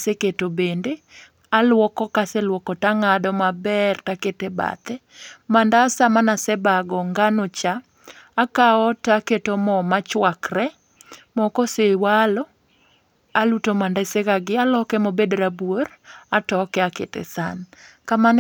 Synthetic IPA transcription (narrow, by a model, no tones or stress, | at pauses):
seketobende | alwɔkɔkaselwɔkɔtaŋadɔmabɛrtaketeba̰t̪ɛmandasamanasɛbaɡɔŋɡanot͡ʃaː | kaɔtaketomɔmat͡ʃwakrɛ | mɔkɔsewalɔ | alutomandaɪsekaɡɪalɔkɛmobedɾabworatɔkɛakḛtɛ̰sankaman